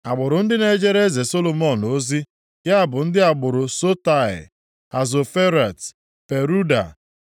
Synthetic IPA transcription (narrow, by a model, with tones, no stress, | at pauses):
a˨ɡ͡bʊ˨ɾʊ˨n̩˦dɪ˦ne˦d͡ʒe˦ɾe˦ze˨so˦lo˨mɔ˦n̩o˦zi˦ | kɪ˦a˦bʊ˨n̩˦dɪ˦a˨ɡ͡bʊ˨ɾʊ˨so˦ta˨ɪ̰˨ | a˨zo˨fe˦ɾa˨t | pe˨ɾu˦da˨